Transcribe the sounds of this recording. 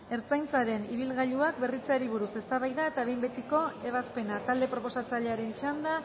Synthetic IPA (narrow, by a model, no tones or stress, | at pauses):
e̞ɾt͡sajnt͡saɾe̞niβ̞ilɣaʎuak̚be̞rit͡saɾiβuɾuse̞st̪aβajðae̞t̪aβ̞e̞jmbe̞t̪iko̞e̞β̞aspe̞nat̪ald̪e̞pɾo̞po̞sat͡saʎe̞aɾe̞nt͡ʃand̪a